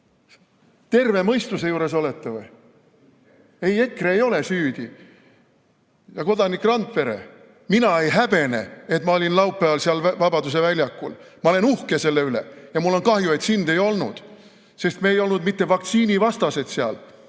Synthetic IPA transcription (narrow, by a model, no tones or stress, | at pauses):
t̪e̞rve̞mɤ̞jst̪use̞juːɾe̞so̞let̪ːevoj | eje̞kːreejo̞le̞syːd̪̥i | jɑko̞d̪ɑnikːˑrɑnt̪pe̞ɾe̞̰ | minɑe̞jɦæb̥e̞ne̞̰e̞t̪ˑmɑo̞lʲinlɑwpˑːeɑlsiɑlvɑb̥ɑd̪us̬e̞vælʲjɑkːˑṵlmɑole̞nuhkese̞lːeyle̞̰jɑmulːo̞nkɑhjue̞t̪sind̪e̞jo̞lnṵd̪̥ | se̞st̪meːjo̞lnud̪mit̪ːe̞vɑkt̪siːnivɑst̪ɑse̞d̪̥seɑ̰l